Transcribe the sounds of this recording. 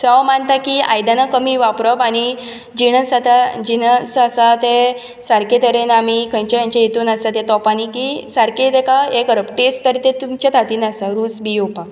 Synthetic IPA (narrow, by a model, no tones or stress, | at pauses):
sɔmənt̪akia̰jd̪anakəmiːʋapɾəpañi | d͡ʑinəsat̪ad͡ʑinəsasat̪e | saɾket̪əɾenamikʰə̃ɲt͡ɕajãɲt͡ɕajet̪uːnasat̪et̪ɔpanikisaɾked̪ɛkaekəɾəpʈesʈt̪əɾt̪ẽt̪umt͡ɕat̪at̪inasaɾuːsbiopa